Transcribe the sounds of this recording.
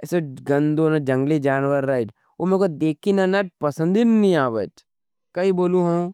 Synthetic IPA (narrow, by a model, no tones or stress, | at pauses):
ɛseɡɐ̃nd̪onad͡ʒɐ̃ŋɡlid͡ʒaːnʋəɾːɐd͡ʒ | omẽkod̪eːkʰinanad͡ʒ̚pɐsə̃nd̪innĩaːʋə̰t͡ʃ | kɐiboːlũɦɐ̃m